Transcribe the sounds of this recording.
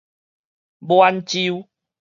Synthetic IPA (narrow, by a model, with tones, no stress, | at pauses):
bwa˧nt͡ɕi˦w